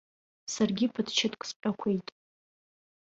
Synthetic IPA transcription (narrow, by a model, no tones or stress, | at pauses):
sarɡʲipʰɨdʰt͡ʃʰatʰʼkʷʼspʼakʷʰejtʼ